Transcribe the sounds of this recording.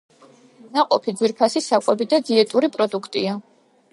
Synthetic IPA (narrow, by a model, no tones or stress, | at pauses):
naqʼɔpʰid̪ziɾpʰasisakʷʼwɛbid̪ad̪ziɛt̪ʼuɾipʼɾɔd̪ukʰt̪ʼia